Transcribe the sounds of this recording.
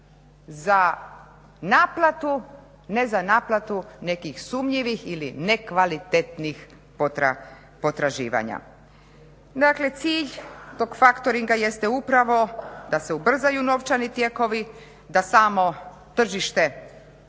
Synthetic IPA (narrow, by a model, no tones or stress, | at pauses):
za | naːplat̪u | ne̞zanaːplˠat̪une̞kixsumʎiʋixiline̞kʋalit̪et̪nix | oa̰ | po̞t̪ɾaʒḭːʋa̰ɲa̰ | d̪akle̞t̪siːʎt̪o̞ːɡfakt̪o̞ɾiŋɡaje̞st̪e̞upɾaʋo̞d̪aseubr̩zajuno̞ʋt͡ʃanit̪je̞ko̞ʋi | d̪asaːmo̞ | t̪r̩ʒiʃt̪e̞